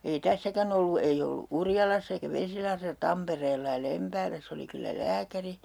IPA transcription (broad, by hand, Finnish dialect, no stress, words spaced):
ei tæsːækæn olːu ei olːu urjɑlɑsː eikæ ʋesilɑhresɑ tɑmpereːlːɑ jɑ lempæːlæsː oli kylːæ læːkæri